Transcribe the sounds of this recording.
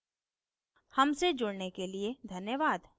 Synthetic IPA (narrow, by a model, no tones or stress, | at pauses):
hɐmsed͡ʒʊɽnekelied̪ʱɐnjəʋaːd̪